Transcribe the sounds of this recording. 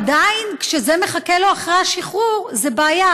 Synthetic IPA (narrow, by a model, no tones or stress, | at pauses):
d̪ainkʃezeme̞χakeloaχʁeaʃiχuʁzebaːja